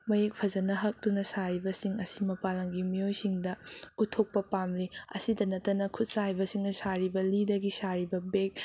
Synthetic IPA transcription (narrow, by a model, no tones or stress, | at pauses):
mɐjek̚pʰɐzɐnɐɦɐk̚tunɐsaɾibɐsiŋɐsimɐpalɐŋɡimiojsiŋdɐutʰok̚pɐpamliɐ̰sidɐnɐtːɐnɐkʰut̚saibɐsiŋnɐsaɾibɐlidɐɡisaɾibɐbek̚